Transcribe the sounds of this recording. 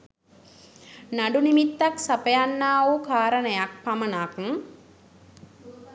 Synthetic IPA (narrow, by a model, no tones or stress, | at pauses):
naɖunimit̪ːaksapəjanːaːukaːɾənəjak̚pamənaːkŋ